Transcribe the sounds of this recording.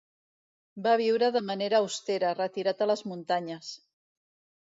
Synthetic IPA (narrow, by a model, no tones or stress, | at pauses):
baβ̞iwɾəðəmaneɾaːwst̪eɾərət̪iɾat̪ələzmunt̪aɲəs